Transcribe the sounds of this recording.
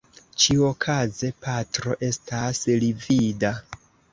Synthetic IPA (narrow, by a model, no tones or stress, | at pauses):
t͡ʃiokʰaze̞patɾo̞ʔe̞staslivida